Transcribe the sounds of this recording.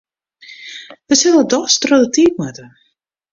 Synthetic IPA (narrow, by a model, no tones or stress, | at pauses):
ʋəsɪlədɔstrodətik̚mətə